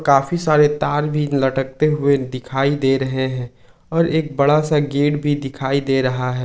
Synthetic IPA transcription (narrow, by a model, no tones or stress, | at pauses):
kaːfisaːɾet̪aːɾbʱilɐʈək̚t̪eɦʊed̪ɪkʰaːid̪eːɾɐɦeɦɛ̃ː | ɔːɾeːk̚bɐɽasaɡeːɽbʱid̪ɪkʰaːid̪eːɾɐɦaɦɛː